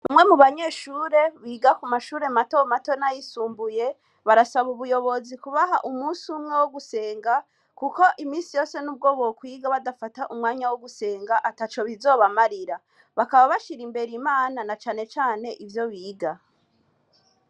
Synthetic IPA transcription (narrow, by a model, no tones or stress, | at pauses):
βamŋe̞muβaɲe̞ːʃuːɾe̞βiːɡakumaʃuːɾe̞mato̞mato̞najisuːmbuje̞ | βaɾasaβuβujo̞βo̞zikuβaɦaʔumuːsumŋe̞woɡuse̞ːŋɡa | kuko̞ʔimiːnsijo̞ːse̞nuːb̚ɡo̞ːβowokwiːɡaβadafataʔumŋaːɲawoɡuse̞ːŋɡaʔatat͡ʃo̞βizo̞ːβamaɾiɾa | βakaβaβaʃiɾimbe̞ɾimaːnanat͡ʃaːne̞t͡ʃaːne̞ʔivjo̞βiːɡa